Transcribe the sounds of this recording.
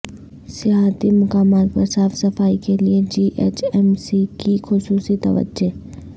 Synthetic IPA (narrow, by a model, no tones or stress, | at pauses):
sɪjaːt̪imʊkaːmaːt̪̚pɐɾsaːfsɐfaːikelied͡ʒiːʔḛːt͡ʃɛːmsikixʊsuːsit̪ɐ̰ʋə̰d͡ʒo